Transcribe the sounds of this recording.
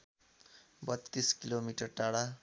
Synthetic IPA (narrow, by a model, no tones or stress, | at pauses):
bʌt̪ːiskilomiʈʌrʈaɽa